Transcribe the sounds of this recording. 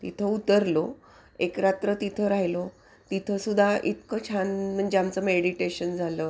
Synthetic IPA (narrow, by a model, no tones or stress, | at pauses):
t̪it̪ʰəut̪əɾlo | ekɾat̪ɾət̪it̪ʰəɾaɦjilo | t̪it̪ʰəsud̪ʱaʔit̪kət͡ɕʰanm̤əɳd͡ʑeamt͡səmeɽiʈeɕənd͡zʱalə